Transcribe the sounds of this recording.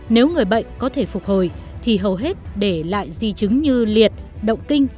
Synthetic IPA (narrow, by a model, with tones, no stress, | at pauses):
ne˨˦wŋɨ˨˩əjɓə̰˧˨jŋ̟kɔ˨˦t̪ʰe˧˩fʊ˨˩k͡p̚ho˨˩j | t̪ʰi˨˩ɦə˨˩wɦe˦˥t̚ɗe˧˩la̰ː˧˨jzi˧t͡ɕɨ˨˦ŋɲɨ˧li˨˩ət̚ɗə̰˧˨wŋ͡mkï˧ŋ̟